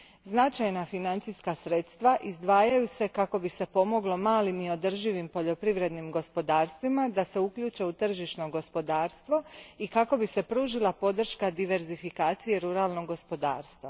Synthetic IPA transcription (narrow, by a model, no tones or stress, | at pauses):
znat͡ʃajnafinant̪siskasɾe̞t̪st̪ʋaʔizd̪ʋaːjajuse̞kako̞bise̞po̞mo̞ɡlˠo̞maːlimio̞d̪ər̩ʒiʋimpo̞ʎo̞pɾiʋɾe̞d̪nimɡo̞spo̞d̪aːɾst̪ʋimad̪ase̞ukʎuːt͡ʃe̞ut̪r̩ʒiʃno̞ɡo̞spo̞d̪aːɾst̪ʋo̞ikako̞bise̞pɾuːʒilˠapo̞d̪r̩ʃkad̪iʋe̞ɾzifikaːt̪sije̞ɾuɾaːlˠno̞ɡːo̞spo̞d̪a̰ːɾst̪ʋa